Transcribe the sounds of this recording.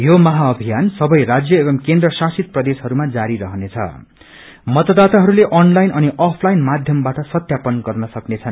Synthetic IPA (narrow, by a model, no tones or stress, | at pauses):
jomʌɦaʌbʱijansʌbʌjrad͡zjʌebʌmkend̪rʌsasit̪̚prʌd̪esɦʌɾumad͡zaɾiɾʌɦʌnet͡sʰʌ̰ | mʌt̪ʌd̪at̪aɦʌɾuleʔʌnlajnʔʌniʔʌpʰlajnmad̪ʱjʌmbaʈʌsʌt̪japʌnɡʌrnʌsʌknet͡sʰʌn